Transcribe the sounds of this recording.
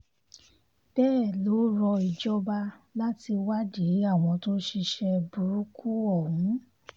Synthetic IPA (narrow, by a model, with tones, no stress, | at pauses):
b̥ɛː˦˨lo˨˦ɾɔ˧i˨d͡ʒɔ˧˦ba˧la˦ti˧wa˦di˨˦a˦˨w̃ɔ̃˧to˦ʃi˧ʃɛ˧bu˨ɾu˦ku˦ɔ˦˨w̃ũ˨˦